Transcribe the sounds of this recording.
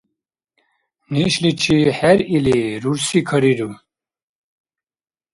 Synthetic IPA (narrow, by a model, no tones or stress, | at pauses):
neɕlit͡ʃʰihɛɾiliɾuɾsikʰɐɾiɾu